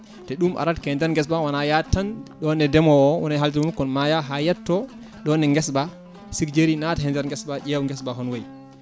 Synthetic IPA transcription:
tɛɗumʔa̰ɾatkɛndɛɾŋɡɛs̬ɓawanajatːanɗɔnɛdɛmɔɔwɔ̰naɦaldiɾmmukːɔnmajaɦajɛtːɔ | ɗɔnɛŋɡɛsba | sikd͡ʒeɾinataɦɛndɛɾŋɡɛsbaʔɛwŋɡɛsbaɦɔnwaj

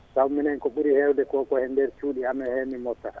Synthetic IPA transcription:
sawminɛnkɔɓuɾihɛwdɛkɔkɔhɛndɛɾt͡ʃuːɗiamɛhemimɔtːa

